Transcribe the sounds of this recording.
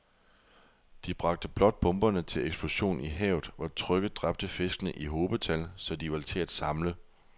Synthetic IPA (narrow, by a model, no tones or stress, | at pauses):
d̥ib̥ʁɑ̈ɡ̥̚d̥əb̥lɒ̽d̥̚b̥ɔ̽mb̥ɐnət͡sʰe̝leɡ̥sb̥lo̝ɕo̝̰ːniɦɛ̰ːʊð̩ˠʋɒt͡sʰʁœɡ̥əðd̥ʁɑ̈b̥̚d̥əfe̝sɡ̥ənəʔiɦo̝ːb̥ət͡sʰælsɒ̽d̥iʋɑ̈t͡sʰe̝æd̥sɑ̈mlə